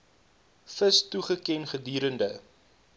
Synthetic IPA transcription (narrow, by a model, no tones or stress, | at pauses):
fəstuχəkɛnχədiːɾəndə